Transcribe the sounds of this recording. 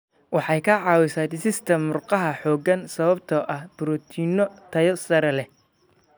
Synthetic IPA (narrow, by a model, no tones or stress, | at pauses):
wɑħɑjkʰɐʕɑːwɪsaːd̪ɪsɪst̪ʰɐmːʊrqɑɦɐħɔːɡɐnsɐβɐbt̪ʰɐʔɐhb̥ʊɾɔt̪ʰinɔt̪ʰɐjɔsɐɾɛlɛ